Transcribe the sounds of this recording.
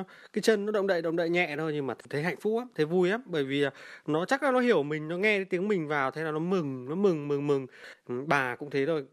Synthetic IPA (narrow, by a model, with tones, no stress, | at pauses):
kaː˨˦jt͡ɕə˧nːɔ˨˦ɗə̰˧˨wŋ͡mɗə̰˧˨ɗə̰˧˨ŋ͡mɗə̰ː˧˨jɲɛ̰˧˨t̪o˧jɲɨ˧maː˨˩˨t̪ʰe˨˦ɦa̰˧˨jŋ̟fʊ˦˥k͡p̚ʔaː˨˦mt̪ʰe˨˦vu˧jʔaː˨˦mɓəː˧˩jvi˨˩˨nɔ˨˦t͡ɕa˦˥k̚a˨˦nɔ˨˦ɦi˧˩əwmï˨˩ŋ̟nɔ˨˦ŋɛ˧ɗe˨˦t̪i˨˦əŋmï˨˩ŋ̟vaː˨˩wt̪ʰe˨˦naː˨˩wnɔ˨˦mɨ˨˩ŋnɔ˨˦mɨ˨˩ŋmɨ˨˩ŋmɨ˨˩ŋɓaː˨˩kʊ̰˧˥ŋ͡mt̪ʰe˨˦zo˧˩j